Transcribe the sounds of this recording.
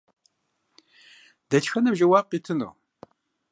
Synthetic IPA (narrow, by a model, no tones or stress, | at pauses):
d̪ɐt͡ʃxɐnɐbʒɐwaːb̚qitʰɨno̰